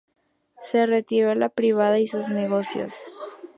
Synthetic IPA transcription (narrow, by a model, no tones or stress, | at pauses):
se̞re̞t̪iɾolapɾiβ̞aðaisuzne̞ɣo̞sjo̰s